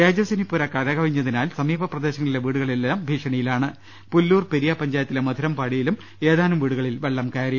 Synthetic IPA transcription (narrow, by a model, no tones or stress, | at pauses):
ɾeːd͡ʑɐsinipːuɾɐkɐðɐɣɐʋiɲːɐðinaːlsɐmiːbʱɐprɐd̪e̞ːɕɐŋːɐɭileʋiːɽuɣɐɭilɐbʱiːʂɐɳɐjilaːɳɨ | pulːuːrpeɾijɐpɐɲd͡ʑaːjɐt̪ːilemɐd̪ʱiɾɐmpaːɽijilum | e̞ːðaːnɐmʋiːɽuɣɐɭilʋeɭːɐmkaːɾɐ